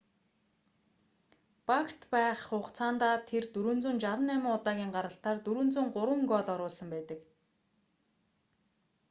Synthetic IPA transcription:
pakʰt̪pæːχːʊχt͡sʰaːnt̪aːt̪ʰert̪uɾŭːnt͡sŭːnt͡ɕaɾə̆næmʊːŋʊt̪aːɣʲiːŋɢaɾə̆ɬt̪aːrt̪uɾŭːnt͡suːŋɢʊɾwə̆ŋɡɔɮɔɾʊːɮsə̆mpæːt̪ə̆k

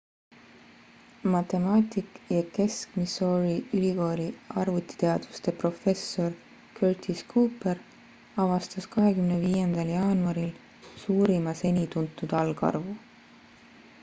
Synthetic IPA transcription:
mɑt̪e̞mɑːt̪ʲikˑjɑke̞skmiso̞ɾiylʲiko̞ːlʲiɑrvut̪ːˑi̥t̪e̞ɑd̪̥vust̪e̞pro̞fe̞sːo̞r | kʰørt̪ʰiskuːper | ɑvɑst̪ɑskɑɦe̞kymneviːjend̪̥ɑljɑːnuɑɾil | suːɾimɑse̞nʲit̪unt̪ːˑud̪̥ɑlɡ̥ɑ̰rvu

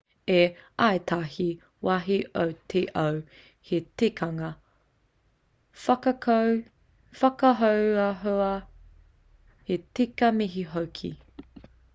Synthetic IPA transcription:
eaetʰahi | waɦiʔowtʰeʔɐw | hetekʰɐŋɐ | fɐkɐkʰow | fɐkɐɦowɐɦoɐ | hetikɐmiɦiɦowkʰḭ

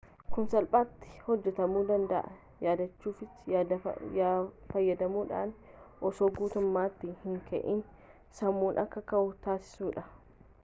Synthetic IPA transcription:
kʊnsɐlpʼaːt̪ːɪ̥hɔd͡ʒːɛt̪ɐmuːd̪ɐnd̪ɐʔɐ | jaːd̪ɐt͡ʃːuːfɪsd̪ɐ | fɐjːɐd̪ɐmuːᶑa̰ːnʔɔsoːɡuːt̪ʊmːaːt̪ːiːhɪŋkɐ̰ʔiːn | sɐmːuːnʔɐkːɐkɐʔʊt̪aːsɪ̥suːᶑɐ

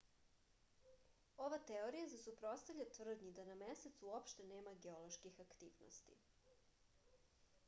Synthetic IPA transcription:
o̞ʋat̪eoɾijazesupɾo̞t̪st̪aʋʎʲat̪vr̩d̪ɲid̪anameset̪suopʃt̪e̞ne̞ːmaɡeolo̞ʃkixakt̪iːʋno̰st̪ḭ

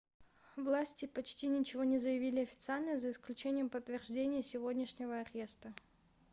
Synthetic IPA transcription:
vlˠasʲtʲɪpɐt͡ɕtʲinʲɪt͡ɕɪvo̞nʲɪzəjɪvʲilʲɪɐfʲɪ̥t̪sɨalʲnəjəzəɪsklʲʉt͡ɕenʲɪjəmpət̪ːvʲɪrʐdʲenʲɪjəsʲɪvo̞dʲnʲɪʂnʲɪvəɐɾʲe̞st̪ə

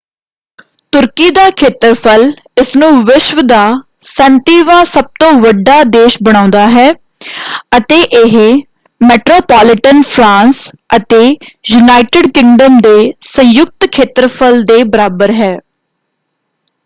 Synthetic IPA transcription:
t̪ʊɾkiːd̪aːkʰeːt̪ɾpʰəlɪsnũːʋɪʃʋd̪aː | sənt̪iːʋãːsəb̚t̪õːʋəɖːaːd̪eːʃbəɽ̃ãːnd̪aːɦɛː | ət̪eːʔɪɦ | mɛːʈɾoːpaːlɪʈənpʰɾãːns | ət̪eːjuːnaːɪʈɪɖkɪ̃ŋɖəmd̪eːsə̃jʊk̚t̪kʰeːt̪ɾəpʰəld̪eːbəɾaːbəɾɦɛː

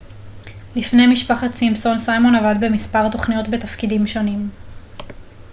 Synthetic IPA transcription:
lifne̞jmiʃpaχatt͡simso̞nsajmo̞navadbemispaʁto̞χnijo̞tbe̞tafkidimʃo̞nim

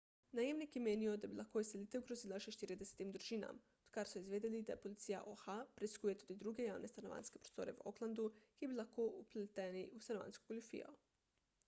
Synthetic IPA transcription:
najemnikjemeːnijod̪abilakoiselit̪ɛuɡɾozilˠaʃeʃt̪iɾid̪ese̥t̪imd̪ɾuʒina̰m | od̪kaɾsoizʋeːd̪ilid̪a̰polit̪sija̰ʔoxapɾeiskujet̪ud̪id̪ɾuɡejaːwnest̪anoʋa̰nske̞pɾost̪oːɾeuo̰klˠand̪ukibilˠaxkoʔuplet̪eniʔust̪anoʋa̰nsko̥kolʲufḭjo̰

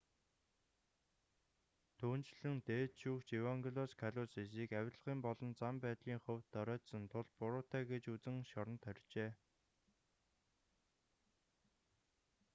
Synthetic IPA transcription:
t̪ʰuːnt͡ɕɮɘ̆ŋt̪eːt̪ʃuːkt͡ɕiwaŋɡɮɔskʰaɮʊːsesiːkæw̆ʲɮʁiːmpɔɮɞ̆nt͡sampæːt̪ɮiːŋχɵwt̪ːœɾʲœːt̪sə̆nt̪ʰʊɮpʊɾʊːt̪æːɡet͡ɕut͡sɘ̆ŋʃɔɾɞ̆nt̪ʰœrʲt͡ɕeː

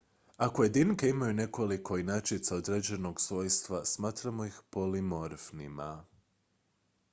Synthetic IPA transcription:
akoje̞d̪inkeimajune̞ko̞liko̞inat͡ʃit̪saod̪ɾed͡ʑe̞no̞ɡsʋo̞ːjst̪ʋasmaːt̪ɾamo̞ixpo̞limo̞ɾfnima̰

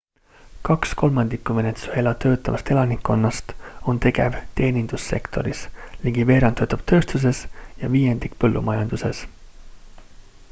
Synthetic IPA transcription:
kɑksko̞lmɑnd̪ikːume̞net̪sue̞lɑt̪ø̞ːt̪ːˑɑvɑst̪e̞lɑnikːo̞nːɑst̪o̞nt̪e̞ɡe̞̰vt̪e̞ːnind̪̥usːe̞̰kt̪o̞ɾisliɡ̥ive̞ːɾɑnt̪øːt̪ːˑɑb̥̚t̪ʰø̞ːst̪us̬e̞sjɑviːje̞nd̪̥ikpɤlːṵmɑjɑnd̪̥use̞s

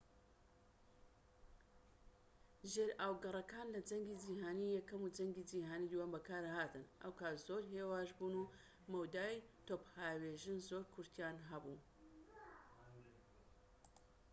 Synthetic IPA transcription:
ʒeɾaːwɡɐrˤɐkaːnlɐd͡ʒɐŋɡid͡ʒiːɦaːniːjɛkɐmud͡ʒɐŋɡid͡ʒiːɦaːnid̪uwaːmbɐkʰaːɾhaːt̪ɨnʔɐ̰wkaːt̪z̥oːɾɦeːwaːʒbuːnu | mɐwd̪aːjt̪ophaːweːʒɨnzoːɾkʰʊɾt̪ʰjaːnɦɐbu

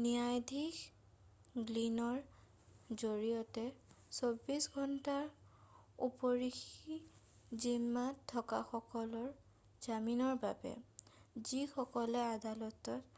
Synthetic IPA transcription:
nijajdʱix | ɡlinɔɹ | zoɹijɔtɛsobisɡʱɔntaɹ | ṵpɔɹixi | zimːatʰːɔka̰xɔkɔlɔɹ | z̥aminɔɹba̰bɛ̰zixɔkɔlɛadalɔtɔt

